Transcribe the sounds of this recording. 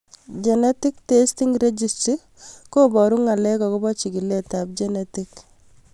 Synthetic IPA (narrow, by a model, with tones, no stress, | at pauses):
d͡ʒɛnɛ˦ti˦k̚testiŋɾe˦d͡ʒisti | ko˦bɔɾu˦ŋa˨lɛ˦kɔko˦bɔ˦t͡ʃi˨ki˨le˦tap̚d͡ʒenɛtik